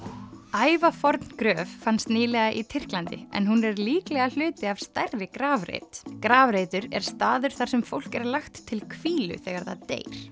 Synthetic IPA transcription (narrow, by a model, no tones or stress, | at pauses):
aːjvafɔɾt̪nkɾœːvːanst̪niːlɛɣaʔit̪ʰɪr̥klant̪ɪ̰ɛ̰nɦunɛɾliːklɛɣal̥ʏːt̪ɪavst̪ɛrːɪkɾaːvɾḛjt̪kɾaːvɾeːjt̪ʏɾɛɾ̥st̪aːðʏɾ̥θaɾ̥sɛmfowl̥kɛɾlaxt̪ʰːɪlkʰviːlʏ̰θɛːɣaɾθa̰ðt̪ḛːjɾ̥